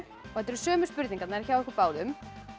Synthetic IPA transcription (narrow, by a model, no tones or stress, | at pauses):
ɾ | ɔɣhɛt̪ːɛɾʏ̥sœːmʏspʏɾt̪niŋkat̪naɾçawɛhkɪpaːwðʏm